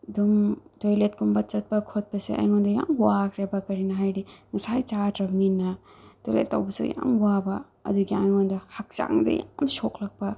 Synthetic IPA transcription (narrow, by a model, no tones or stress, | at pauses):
dumtojlet̚kumbɐt͡ʃɐt̚pɐkʰot̚pɐsḛʔa̰jŋondɐja̰muwakʰɾebɐkɐɾinɐɦajɾiŋɐsajt͡ʃatɾɐmninːɐ | tojlḛtːawbɐsṵja̰mwabɐ | ɐ̰duɡiajŋondɐhɐk̚t͡ʃa̰ŋdɐ̰jamsoklɐk̚pɐ